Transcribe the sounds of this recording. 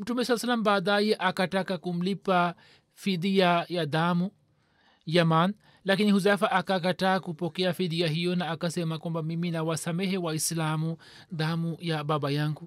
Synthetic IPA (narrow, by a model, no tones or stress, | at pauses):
m̩tumɛsalːasalːambaːɗajɛʔakatakakum̩lipa | fiðiajaðamu | jaman | lakinihuzafaʔakak̬ataːkupɔkɛafiðiaɦijɔnaːkasɛmakwambamiminawasamɛɦɛwaislamu | ðamujaɓaɓajaŋɡu